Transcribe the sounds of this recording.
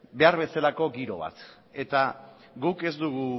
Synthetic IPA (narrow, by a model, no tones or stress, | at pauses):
be̞aɾβ̞e̞salako̞ɡiɾo̞̰β̞a̰t̪ | e̞t̪a | ɣuke̞zd̪uɣ̞u